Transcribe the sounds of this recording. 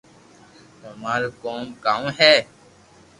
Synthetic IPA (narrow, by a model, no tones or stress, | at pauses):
ɦəmaːɾkoːmkaːmɦɛː